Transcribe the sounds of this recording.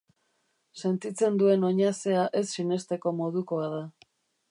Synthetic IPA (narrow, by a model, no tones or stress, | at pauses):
se̞nt̪it͡se̞nd̪ue̞no̞ɲase̞aʔe̞sːine̞st̪e̞ko̞mo̞ðuko̞aða